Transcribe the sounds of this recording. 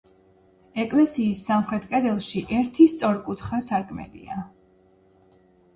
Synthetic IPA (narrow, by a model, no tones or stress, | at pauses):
ɛkʼlɛsiːsːamχɾɛt̪ʼkʼɛd̪ɛlˠʃiʔɛɾt̪ʰist̪sʼɔɾkʼut̪ʰχasaɾkʰmɛ̰lḭa